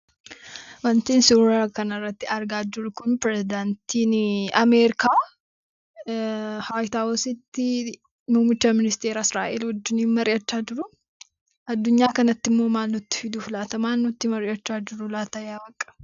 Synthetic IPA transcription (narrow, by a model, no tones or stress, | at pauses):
wɐnt̪iːnsuɾaɾkɐnɐrːɐt̪ːɪɐɾɡaːd͡ʒʊɾʊkʊnpɾɛzɪd̪ant̪iːnɐmeːɾɪkaː | hajt̪aːwɔsɪt̪ːɪ | muːmɪt͡ʃːaːmɪnɪst̪eːɾaːɪsɾaːʔelwɔd͡ʒːɪniːnmɐɾʔɪʔɐt͡ʃːaːd͡ʒɪɾʊ | ɐd̪ːʊɲːaːkɐnɐt̪ːɪmːo̞ːmaːnːɔt̪ːɪ̥fɪd̪uːfʊlɐt̪ɐmaːnːʊt̪ːɪmɐɾɪɐt͡ʃːaːd͡ʒɪɾʊlaːt̪ɐjaːbɐkʼːɐ̥